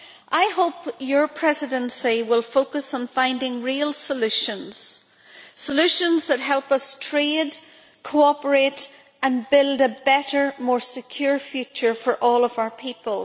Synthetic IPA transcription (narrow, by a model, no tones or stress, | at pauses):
ʔaɪhoʊpjə˞pʰɹ̥ɛzɪdə̃nsiwɪlˠfokəsn̩fãɪ̃ndɪ̃ŋɹiəlˠsəlʉʃə̃nz̥ | səlʉʃə̃nzðət̚ɦɛlˠpʌstʰɹ̥ed | kʰoɔpə˞eɾ | ə̃nbɪlˠdəbɛɾə˞mɔɹsɪkʰj̥uɹfjʉt͡ʃə˞fə˞ʔɔlˠʌvaʊə˞pʰipəlˠ